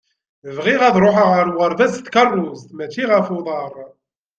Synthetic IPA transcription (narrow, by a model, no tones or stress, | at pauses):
əvʁiʁæðɾˤoħəʁəɾwəɾˤvæzt̪ːkərˤːʊzt̪mæt͡ʃːiʁəfoðˤɑɾˤ